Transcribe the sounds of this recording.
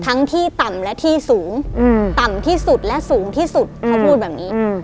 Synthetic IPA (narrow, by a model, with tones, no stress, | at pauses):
t̪ʰa˦˥ŋt̪ʰiː˥˩t̪a˨˩mlɛ˦˥ʔt̪ʰiː˥˩suː˩˦ŋː˧t̪a˨˩mt̪ʰiː˥˩su˨˩t̪̚lɛ˦˥ʔsuː˩˦ŋt̪ʰiː˥˩su˨˩t̪̚kʰa˥˩wpʰuː˥˩t̪̚bɛː˨˩p̚niː˦˥